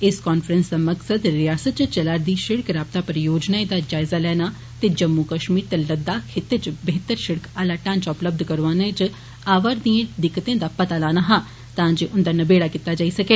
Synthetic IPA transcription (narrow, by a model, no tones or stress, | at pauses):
ɪskaːnfʰɾənsd̪aːməksəd̪ɾɪjaːsət̪̚t͡ʃt͡ʃəlaːɾd̪iːʃɪɽkɾaːb̚t̪aːpəɾjoːd͡ʒnaːed̪aːd͡ʒaːɪzaːlɛːnaː | t̪eːd͡ʒəmːukəʃmiːɾt̪eləd̪ːaːkʰet̪ːet͡ʃbəɦɪt̪əɾʃɪɽəkaːlaːʈãːnt͡ʃːʊpləb̚d̪ʱkəɾʋaːnet͡ʃ | aːʋəɾd̪iẽːd̪ɪkːt̪ẽːd̪aːpət̪aːlaːnaːɦãː | t̪ãːd͡ʒeːʔʊnd̪aːnəbeːɽaːkiːt̪ːaːd͡ʒaːiːsəkeː